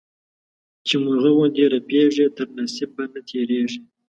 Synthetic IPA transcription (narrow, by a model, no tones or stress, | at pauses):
t͡ʃemuɣəwod̪eɾapeʐet̪əɾnasɪb̚ːanat̪ʰeɾeʐi